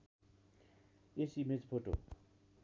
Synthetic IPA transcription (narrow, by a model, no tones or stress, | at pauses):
esimed͡zpʰoʈo̰